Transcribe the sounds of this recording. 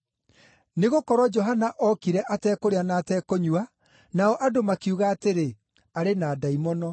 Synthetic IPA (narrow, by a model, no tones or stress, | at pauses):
neɣokɔɾɔd͡ʒɔɦanaʔɔkiɾɛʔatɛːkoɾeanaːtɛːkoɲua | naɔʔadomakiuɣaːteɾe | aɾenaːdaimɔnɔ